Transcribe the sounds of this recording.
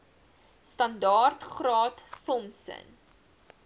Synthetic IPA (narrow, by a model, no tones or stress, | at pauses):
stɐndɑːrtχrɑːtθɔmsə̰n